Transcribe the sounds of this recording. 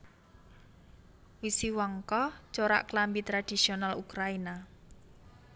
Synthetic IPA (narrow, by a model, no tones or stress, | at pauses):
wisiwɔŋkɔt͡ʃoɾa̰ʔklambit̪ɾad̥i̤sionalukɾaina